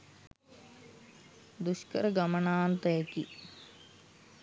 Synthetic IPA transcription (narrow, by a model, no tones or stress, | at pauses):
d̪uʃkəɾəɡɐmənaːnt̪ɐɛki